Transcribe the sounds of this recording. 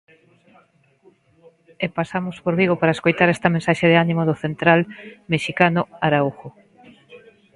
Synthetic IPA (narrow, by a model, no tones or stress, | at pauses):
epasamospoɾβiɣopaɾaeskojt̪aɾɛst̪ɐmẽnsaʃeðeanimoðʊθent̪ɾalmeʃikanʊaɾauxo